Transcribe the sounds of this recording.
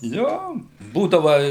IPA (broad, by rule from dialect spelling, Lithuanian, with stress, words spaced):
ˈjoː ˈbuːdɐʋɐ